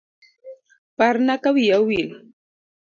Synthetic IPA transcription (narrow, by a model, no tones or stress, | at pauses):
paɾnakawjawɪl